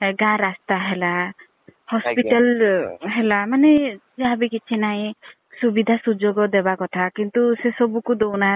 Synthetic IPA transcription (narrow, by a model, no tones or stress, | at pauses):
ɡãɾast̪aɦela | hɔspiʈalɦelamaned͡ʒaɦabikit͡ʃʰinaĩ | subid̪ʱasud͡ʒoɡɔd̪ebakɔt̪ʰakint̪usesɔbukud̪owna